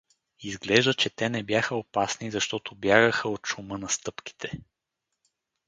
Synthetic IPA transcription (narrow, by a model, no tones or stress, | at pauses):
izɡlɛʒd̪ət͡ʃɛt̪ɛnɛbjaxəopasnizɐʃt̪ɔt̪objaɡəxəot̪ʃumɤnɐst̪ɤpki̥t̪ʰɛ